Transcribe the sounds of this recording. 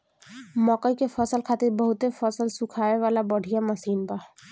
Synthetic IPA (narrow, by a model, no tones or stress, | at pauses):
mɔːqəikefɔsəlkʰaːt̪ɪɾbɐɦʊt̪efɔsəlsʊkʰaːeʋaːlabɐɽ̤ʱijamɐsiːnbaː